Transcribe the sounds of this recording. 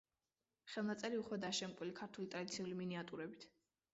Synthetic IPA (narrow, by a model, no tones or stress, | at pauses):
χɛlˠnat̪sʼɛɾiuχwɛd̪aʃɛmkʼwilikʰaɾt̪ʰulit̪ʼɾad̪it̪sʰiuliminiat̪ʼuɾɛbit̪ʰ